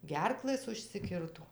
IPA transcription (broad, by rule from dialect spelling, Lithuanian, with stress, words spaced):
ˈɡʲɛrklˠɘs ʊʃʲsʲɪˈkʲɪrtoː